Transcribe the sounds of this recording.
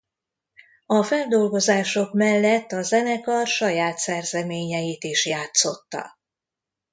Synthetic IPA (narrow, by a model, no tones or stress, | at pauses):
ɒfɛld̪o̞lɡo̞zaːʃo̞kmɛlːɛt̪ːɒzɛnɛkɒʃɒjaːt̪sɛrzɛmeːɲɛjit̪iʃjaːt̪so̞t̪ːɒ̰